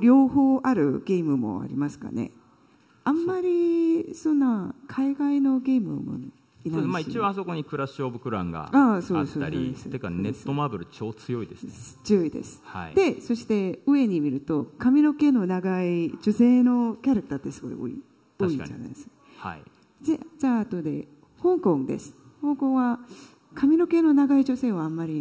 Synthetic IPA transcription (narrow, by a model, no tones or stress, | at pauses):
ɾʲo̞ːho̞ːʔaɾɯ̟ɡ̥e̞mɯ̟mo̞̰a̰ɾʲimasɨ̥ka̰ne̞̰ | ãmːaɾʲisõ̞nːakʰaiɡaino̞ɡʲe̞ːmɯ̰mo̰ | inamaiiãaso̞ko̞ɲikɯ̟ɾaɕoːbɯ̟kɯ̟ɾã̰ŋɡa̰aso̞ːadesaɾʲid̪esekanet̪ːomaːbɯ̟ɾɯ̟t͡ɕo̞ːt͡sɨjo̞id̪esɨnt͡sɨjo̞id̪e̞̰sɨ̥haid̪̥e̞so̞ɕi̥t̪e̞ɯ̟e̞ɲ̟imʲiɾɯ̟t̪o̞kamʲiɾo̞ke̞no̞naɡaid͡ʑo̞se̞ːno̞kʲaɾakɯ̟t̪at̪ːe̞sɨɡo̞̰ḭo̰ḭ | aḭd͡ʑa̰na̰ḭd̪esɨ̥ | hai | zed͡ʑaːt̪o̞d̪e̞̰ | hõ̞ŋkõ̞ŋd̪e̞̰sɨ̥ | hõ̞ŋkõ̞ɰ̃βa | kamʲino̞ke̞no̞naɡaiʑo̞se̞ːaamːaɾʲi